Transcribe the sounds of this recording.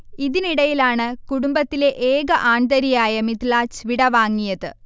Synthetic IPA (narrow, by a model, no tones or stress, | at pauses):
iðiniɽɐjilaːɳɨkuɽumbɐt̪ːile̞ʔeːɡɐʔaːnd̪ɐɾijaːjɐmit̪laːt͡ɕʋiɽɐʋaːŋːijɐðɨ̰